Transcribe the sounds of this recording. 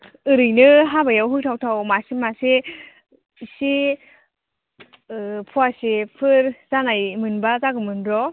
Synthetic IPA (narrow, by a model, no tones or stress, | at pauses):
ɯɾɯjnɯɦabajawɦɯk̚tʰawtʰawmasimase | si | pʰɔasipʰɯɾzanajmɯnbazaɡɯmɯnɾɔ